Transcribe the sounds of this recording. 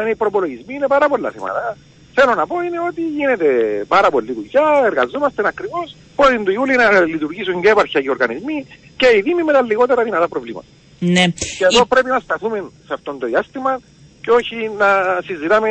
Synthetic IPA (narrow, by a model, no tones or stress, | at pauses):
neipɾopo̞lo̞ʝizmiːne̞pɐɾɐpo̞lːɐ̰θimɐ̰t̪ɐ | θelo̞nɐpo̞ine̞o̞t̪iʝine̞t̪e̞paɾɐpo̞lːiðucɐeɾɣɐzomɐst̪enɐkɾivo̞s | potint̪uiulinɐlit̪uɾʝisuɲɟepɐɾçɐceɾɣɐnizmi | ceiðimimet̪ɐlːiɣo̞t̪eɾɐðinɐt̪ɐpɾo̞vlimɐ̰t̪ɐ | neceːðo̞pɾe̞pinɐst̪ɐθumensɐft̪o̞nd̪oðiast̪imɐ | ceo̞çinɐsizːit̪ame